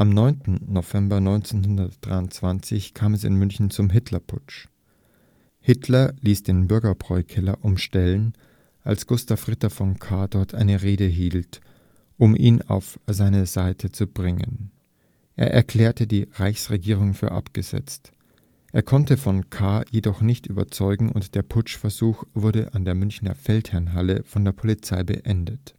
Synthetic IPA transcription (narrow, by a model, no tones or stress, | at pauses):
ʔamnɔʏntn̩ːovɛmbɐnɔʏnt͡senhʊndɐtd̥ʁa̰ɪʊnt͡sv̥ant͡sɪçkʰaːmɛsɪ̰nmʏnçn̩t͡sʊmɦɪtʰlɐpʰʊt͡ʃ | hɪtʰlɐliːsd̥eːnbʏɐɡɐbʁ̥ɔʏkʰɛlɐʔʊmʃtɛlən | ʔalsɡ̥ʊstafʁ̥ɪtɐfɔnkʰaːdɔɐtʰʔaɪnəʁeːɾəɦiːlt | ʔʊmʔḭːna̰ʊfz̥aɪnəzaɪtʰət͡sub̥ʁɪŋə̰n | ʔeːɐʔɛ̰ɐkʰl̥ɛːɐtədiːʁaɪçsʁeɡiːʁ̞ʊŋfyːɐʔa̰pɡ̥əz̥ɛ̰t͡st | ʔeːɐkʰɔntəfɔnkʰaːjedɔχnɪçtʔyːbɐ̰t͡sɔʏɡŋ̩ʊntd̥eːɐpʰʊt͡ʃfɛɐzuːxv̥ʊɐɾəʔandeːɐmʏnçnɐ̰fɛlthɛɐnɦaləfɔndeːɐpʰolit͡saɪbə̰ʔɛndət